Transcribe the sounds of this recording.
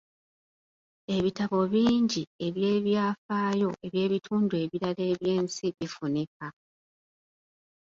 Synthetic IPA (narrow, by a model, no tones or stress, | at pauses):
e̞βitaβo̞βiːɲɟie̞βje̞ːβjaːfaːjo̞ʔe̞βje̞ːβitʰuːndue̞βiɾale̞ːβje̞ːnsiβifuneka